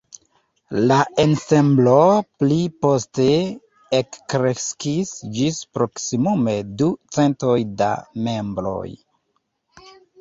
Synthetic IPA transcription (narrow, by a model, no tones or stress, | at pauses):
laʔense̞mbloplipo̞ste | ekːɾeskisd͡ʒispɾoksimume̞dut͡se̞nto̞jda̰me̞mbɾo̞̰j